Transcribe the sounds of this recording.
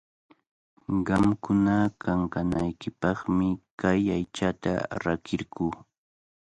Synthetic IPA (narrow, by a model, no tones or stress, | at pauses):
ɢɑmkʊnakaŋkanajkɪpɑχmɪkajajt͡ʃat̪a̰ɾakɪɾkuː